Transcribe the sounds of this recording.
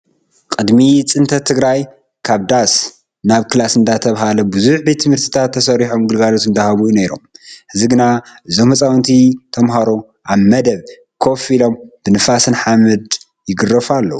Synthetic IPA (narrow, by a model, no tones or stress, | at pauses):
kʼɨd̪mit͡sʼɨnt̪ʰɐt̪ʰɨɡɾaj | kʰaβd̪as | naβkɨlasɨnd̪at̪ʰɐβɦalɐbɨzuħbet̪ʰːɨmhɨɾt̪ʰɨ̥t̪ʰat̪ʰːɐsɐɾiħomɡɨlɡalot̪ɨnd̪ahaβujuneɾo̰mhɨziɡɨnaʔɨzo̞mhɐt͡sʼawnt̪ʰit̪ʰɐmɦaɾo̞ | ʔaβmɐd̪ɐβ | kʰo̞filo̞mb̥ɨnɨfasɨnħamɨd̪ | jɪɡɨrɐfalːɐ̰wu